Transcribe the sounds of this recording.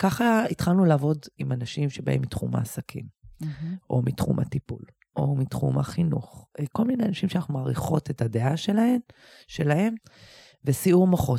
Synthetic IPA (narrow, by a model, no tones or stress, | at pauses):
kaχaitχalnulaːvo̞dimanaʃimʃeba̰emːitχuma̰ːsakʰḭm | ʔo̞̰mitχṵmʔa̰tipṵl | ʔo̞mitχṵma̰χinṵχko̞lmine̞anaʃimʃeanaχnumaːʁiχo̞tetadeʔaʃelaem | ʃe̞lahe̞m | vesiumaχo̞t